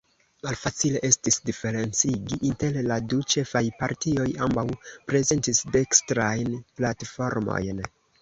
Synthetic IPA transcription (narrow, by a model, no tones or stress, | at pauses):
malfat͡sile̞ʔe̞stisdife̞ɾe̞nt͡siɡiʔinte̞lladut͡ʃe̞fajpaɾtio̞jambawpɾe̞ze̞ntisde̞kstɾajnplatfo̞ɾmo̞̰jn